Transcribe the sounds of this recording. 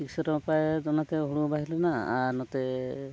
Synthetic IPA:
iksɔɾɔmpaed̪ɔnat̪eɦuɽubaɦilonaːɾnɔt̪e

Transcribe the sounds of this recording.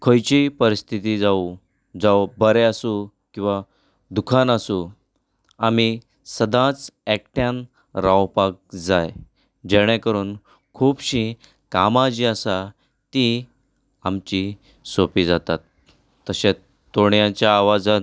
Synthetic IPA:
kʰojt͡ɕipəɾist̪ʰit̪id͡zau | d͡zawbəɾeasu | kĩw̃ʋa | d̪ukʰanasu | ami | səd̪ʱãt͡sɛk̚ʈjãn | ɾawpak̚d͡zaj | d͡ʑɛɽ̃ɛ̃kəɾuːn | kʰuːbɕĩ | kamad͡ʑiəsa | t̪i | amt͡ɕi | sopiːd͡zat̪at̪ː | əɕẽ | t̪oɽjãt͡ɕjaːʋad͡zã

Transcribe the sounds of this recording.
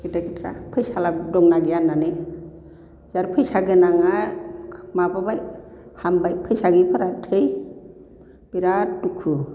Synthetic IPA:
kitakitʰɾa̰pʰɯjsaladɔŋnaɡijanːanɯ | z̥aɾpʰɯjsaɡɯnaŋa | mababajhambajpʰɯjsaɡipʰɯɾatʰɯj | biɾaːukʰu

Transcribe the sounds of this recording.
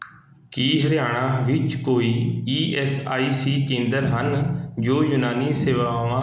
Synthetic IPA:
kiːɦəɾjaːɽ̃aːʋɪt͡ʃkoːiːiːʔɛːsaːiːsiːkẽːnd̪əɾɦənd͡ʒoːjʊnaːniːseːʋaːʋãː

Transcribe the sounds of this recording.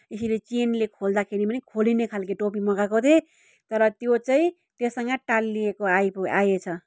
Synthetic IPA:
esilet͡senlekʰold̪akʰeɾibʌnikʰolinekʰalkeʈopimʌɡakot̪ʰe | t̪ʌɾʌt̪jot͡saĩ | t̪jesʌŋɡʌʈalːiekoajpoajet͡sʰʌ

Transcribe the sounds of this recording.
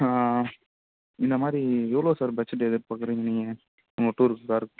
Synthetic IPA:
a | ɪnd̪ɐmaːd̪ɾiɛʋɐɭoːsaːɾbɛt͡ʃːɐʈ̬ːɛðɯɾpaːkɯɾiːŋɡɐniŋɡɐ | ʊŋɐʈːuːɾɯkːɯkaːɾɯkː

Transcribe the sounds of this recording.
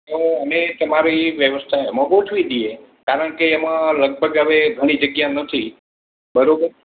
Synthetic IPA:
oənet̪əmaɾiʋjəʋəst̪ʰaemõbəutʰuʋid̪ie | kaɾəɳkeːmãləɡ̚bʱəɡɦəʋeɡʱəɽ̃id͡ʒəɡjanət̪ʰi | bəɾobəɾ

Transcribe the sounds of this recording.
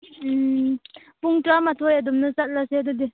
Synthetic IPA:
puŋʈ͡ʂamat̪ʰojad̪umnəsat̪̚laseːd̪ud̪i

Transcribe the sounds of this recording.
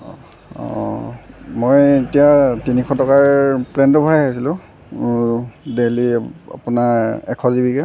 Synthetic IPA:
ɔ̰ | mojetijatinikʰɔtɔkaɹpɹɛntɔbʱɔɹajɦajsilʊ̃ | delia̰punaɛ̰kʰɔzibikɛ

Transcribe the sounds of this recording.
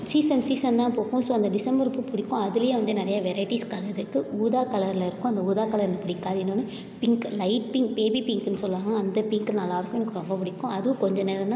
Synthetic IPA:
siːsɐnsiːsɐnnãːpoːkːõːsoːɐnd̪ɐɖɪsɐmbɐɾɯpːɯpʊɽɪkːʊ̃ɐðɪlɐjẽːʋɐnd̪ɯnɪɾɐjaʋɛɾɐɪʈiskɐlɐɾɯkːɯuːðaːkɐlɐɾɪlɐɪɾɯkːʊ̃ɐnd̪ɐuːðaːkɐlɐɾɪnɐpʊɽɪkːaːɾɪnːɯnːɯ | pɪŋklɐɪʈ̚pɪŋkpeːbipɪŋkɛnːɯsɔlːɯʋaːŋɡɐːnd̪ɐpɪŋknɐlːaːɪɾɯkːʊ̃enːɯkːɽɐmbɐpʊɽɪkːʊ̃ɐðɯʋ̃kɔɲd͡ʒɔneːɾɐnã

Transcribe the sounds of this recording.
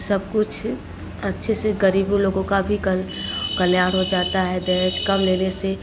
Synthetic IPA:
sɐb̚kʊt͡ʃʰ | ɐtːʃʰeseɡəɾiːb̃loːɡõkabʱikkɐljaːɽɦod͡ʒaːt̪aɦɛd̪ɛʃkɐmleːnese

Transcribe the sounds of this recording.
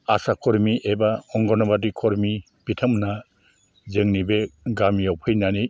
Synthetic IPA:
asakʰɔɾmiʔebaɔŋɡɔnɔbadikʰɔɾmi | pitʰəmna | zɯŋnibeɡamijawpʰɯjnanij

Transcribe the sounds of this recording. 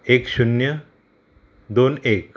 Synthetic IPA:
ekɕunjə | d̪onek

